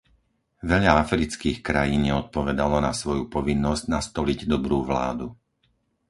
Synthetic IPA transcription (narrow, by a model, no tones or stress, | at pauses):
ʋɛʎaafɾit͡skiːxkɾajiːnɲɛɔt̪̚pɔʋɛd̪alɔnasʋɔjupɔʋinːɔzɟnast̪ɔliɟd̪ɔbɾuːʋla̰ːd̪u